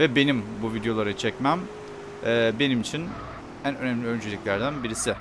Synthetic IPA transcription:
vɛbe̞nimbuvid̪jo̞lˠaɾat͡ʃʰɛcmæm | ɛːbe̞nimit͡ʃʰin | ænø̞nɛmlʲiø̞nd͡ʒelʲiclʲæɾd̪ænbiɾisɪ

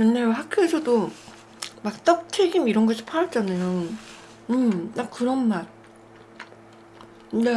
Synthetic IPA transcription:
kenːejoɦakʰjoesʰʌdo | mak̚t͈ʌk̚t͡ɕʰe̞ɡimiɾʌnɡʌɕʰi̥pʰaɾʌd͡ʑ͈anajo | ɯmnakɯɾʌnmaɾ | nde

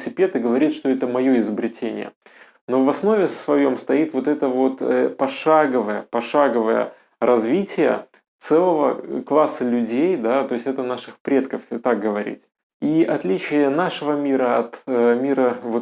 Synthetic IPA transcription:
sʲɪpʲe̞t̪ɨɡəvɐɾʲit̪ʂt̪o̞ɛt̪əmɐjo̞ɪzəbɾʲɪtʲenʲɪ̰jə̰ | no̞vɐsno̞vʲɪsvɐjo̞mst̪ɐit̪vo̞t̪ɛt̪əvo̞t̪əpɐʂaɡəvəjə̰pɐʂaɡəvəjə̰ | ɾʔɐzvʲitʲɪjə̰ | t̪sɛlˠəvəklˠasːəlʲʉdʲejd̪at̪o̞ɪsʲtʲɛt̪ənaʂɨxpɾʲe̞t̪kəft̪ak̚ɡəvɐɾʲḭtʲ | iʔɐt̪lʲit͡ɕɪjənaʂɨvəmʲiɾəɐt̪mʲiɾəvo

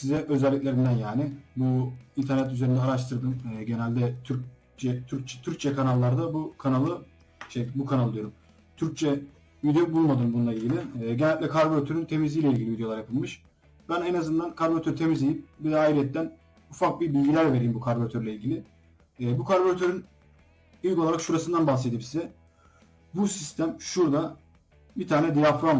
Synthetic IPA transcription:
sizɛʔø̞zɛlʲːicʲlʲe̞ɾind̪ænjaːnɪbuint̪ʰæɾnɛt̪yze̞ɾind̪ɛaɾaʃt̪ʰɯɾd̪ɯmɛɟe̞nælʲd̪ɛt̪ʰyɾ̚ | t͡ʃɛt̪ʰyɾ̚t͡ʃʰɛ̥t̪ʰyɾc̚t͡ʃʰɛkʰanalˠːaɾd̪abukʰanalˠɯ | ʃejbukʰanalˠd̪ijoɾum | t̪ʰyɾc̚t͡ʃʰɛ | vid̪ejobulˠmad̪ɯmbununˠailʲɟilʲiːɟe̞nælʲd̪ɛkʰaɾboɾt̪ʰøɾynt̪ʰe̞mizʲijːlʲɛiɟʲilʲivid̪ejoaɾjapʰɯlˠmɯʃ | bænɛnazɯnd̪ankʰaɾboɾat̪ʰøɾyt̪ʰe̞mizlʲejimbid̪ɛaːiɾijɛt̪ːæn | ufak̚bibilʲɟilʲæɾve̞ɾijimbukʰaɾboɾat̪ʰøɾlʲɛilʲɟilʲɪː | bukʰaɾboɾat̪ʰøɾyn | ilʲkoaɾakʃuɾasɯnd̪anbahsed̪ibisizɛ | busist̪ʰæmʃuɾd̪a | bit̪ʰaːnɛd̪ijafɾon

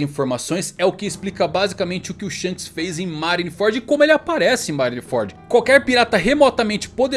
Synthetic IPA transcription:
ĩfoɾmasõj̃sɛʊkɪɪsplikɐbazikɐmẽt͡ʃɪʊkɪʊʃɐ̃kɪsfejzẽj̃maɾinifɔɾd͡ʒɪkõmʊelɪapaɾɛsɪẽj̃maɾinifɔ̰ɾd͡ʒɪkwawkɛɾpiɾat̪ɐɦemɔt̪ɐmẽnt͡ʃɪ̥pod̪e

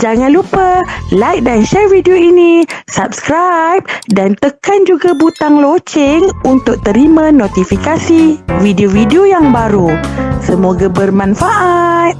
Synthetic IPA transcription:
d͡ʒaŋãnlupəlajk̚danʃɛrvidoinisap̚skɾajp̚dant̪əkand͡ʒuɡabut̪aŋlot͡ʃɪŋunt̪ʊk̚t̪əɾimãnot̪ifikasividiovidiojaŋbaɾusəmoɡabərmãnfaʔat̪̚

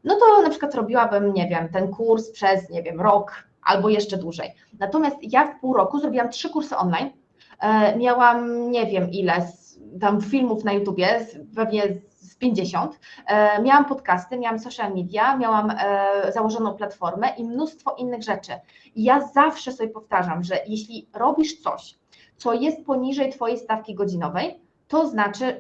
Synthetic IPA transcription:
nɔt̪ɔnapʂɨkwat̪ɾɔbʲiwabɘmɲɛvʲjɛmt̪ɛnkuɾspʂɛsɲɛvʲjɛmɾɔk | ʔa̰lbɔjɛʂt͡ʂɛd̪wuʐɛ̰j | nat̪ɔmʲjast̪jafpuwɾɔkuzɾɔbʲiwamtʂɘkuɾsɘʔɔnlajn | mʲjawamɲɛvʲjɛmʔilɛs | t̪amfʲilmufnajut̪ubʲjɛpɛvɲɛː | pʲjeɲd͡ʑeɕɔnt̪mʲjawampɔt̪kast̪ɘmʲjawamsɔʂalmʲid̪ʲjamʲjawamzawɔʐɔnɔ̃w̃plat̪fɔɾmɛʔimnust̪fɔʔinːɘɣʐɛt͡ʂɘ | ijazafʂɛsɔbʲjɛpɔft̪aʐamʐɛjɛɕlʲiɾɔbʲiʂt̪sɔ̰ɕ | t̪sɔjɛst̪̚pɔɲiʐɛjt̪fɔjejst̪afkʲiɡɔd͡ʑinɔvɛj | t̪ɔznat͡ʂɘ

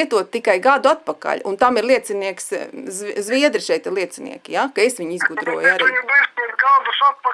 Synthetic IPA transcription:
ɛt̪uɔt̪̚t̪ːikajɡad̪uat̪̚paka̰ʎʲunt̪amiɾlˠiɛt̪siniɛkszzʋiɛd̪ɾɪʃɛjt̪ɪɾlˠiɛt̪sinḭɛkijakaesʋiɲizɡud̪ɾuɔjaɾiːɾɡalˠduʃat̪pɐ

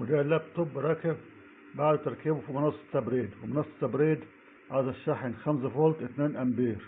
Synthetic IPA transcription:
wed̪ælːæb̚t̪ˤobːɾˤɑːkɪb | baʕd̪t̪ɑɾˤkibufimɑnɑsˤːt̪æbɾeːd̪wemɑnɑsˤːɑ̥t̪ɑbɾeːd̪ | ʕazæʃːaħenxæms̬æfolt̪ʔɪt̪næːnʔæmbiːɾ

